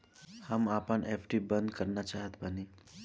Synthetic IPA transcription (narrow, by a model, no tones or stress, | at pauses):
hamapəɳʔefʰʈibənd̪kəɾnat͡ʃaɦət̪bəni